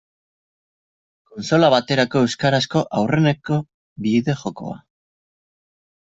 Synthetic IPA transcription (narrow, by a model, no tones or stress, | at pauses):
ko̞nso̞laβat̪e̞ɾako̞e̞wskaɾasko̞ʔawre̞neko̞ | βiðe̞χo̞ko̞̰a̰